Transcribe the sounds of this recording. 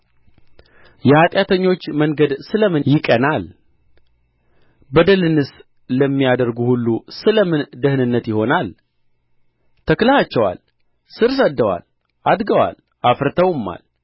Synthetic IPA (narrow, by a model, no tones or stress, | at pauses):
jɛhat̪ʼjat̪ʰəɲːo̞t͡ʃːməŋɡəd̪sɨləmɨjɪkʼənal | bəd̪əlɨnɨs | ləmːijad̪əɾɡuhulːusɨləmɨnd̪əhnɨnːət̪jɪho̞nal | t̪ʰəkləhat͡ʃːɛwa̰l | sɨɾs̬əd̪ːəwa̰l | ʔad̪ɡəwa̰l | ʔafɾt̪ʰəwɨmːa̰l